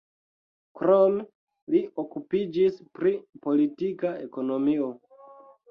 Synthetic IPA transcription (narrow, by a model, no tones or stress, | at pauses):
kɾome | liʔokupid͡ʒispɾipo̞litikae̞ko̞no̞mio̞